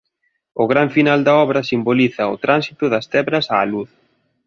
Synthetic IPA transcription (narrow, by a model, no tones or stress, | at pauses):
ʊɣɾaɱfinald̪ɐɔβɾɐsimboliθɐʊt̪ɾansit̪ʊðɐst̪ɛβɾɐsa̰ːluθ